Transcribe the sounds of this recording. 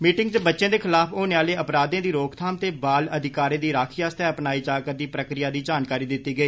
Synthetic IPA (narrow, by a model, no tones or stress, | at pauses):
miːʈɪŋɡt͡ʃəbətːʃẽːd̪eːkʰɪlaːpʰoːneːaːleːəpɾaːd̪ãːd̪iːɾoːkt̪ʰaːmt̪eːbaːləd̪ɪkaːɾẽːd̪iːɾaːkʰiːaːst̪ʰɛːəpnaːiːd͡ʒaːkəɾd̪iːpɾəkɾɪjaːd̪iːd͡ʒaːnkaːɾiːd̪ɪt̪ːiːɡəiː